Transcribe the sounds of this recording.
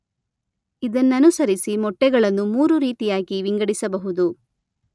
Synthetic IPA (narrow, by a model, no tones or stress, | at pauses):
id̪ɐnːɐnusɐɾisimɔʈːɛɡɐɭɐnːumuːɾuɾiːt̪ijaːɡiʋiŋɡɐɽisɐbɐɦud̪u